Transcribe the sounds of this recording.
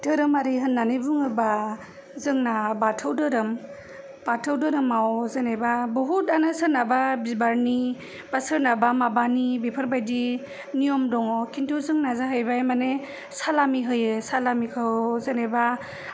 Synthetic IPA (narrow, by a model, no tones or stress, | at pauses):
tʰɯɾɯmaɾiɦɯnːanibuŋɯba | zɯŋnabatʰɯwdɯɾɯm | b̥atʰəwdɯɾɯmawzanebabɔɦutanɯsɯɾnababibaɾni | b̥asɯɾnabamabanibipʰəɾbajdi | nijɔmdɔŋɔkʰintʰuzɯŋnazaɦɯjbajmane | salamiɦɯjɯsalamikʰɯwzaneba